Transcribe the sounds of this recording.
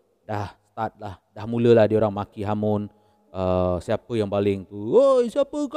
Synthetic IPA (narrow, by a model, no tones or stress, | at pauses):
dahst̪at̪̚lahdahmuləlahdioɾaŋmakiɦamʊn | əsiapəjaŋbalɪŋt̪uwojsiapək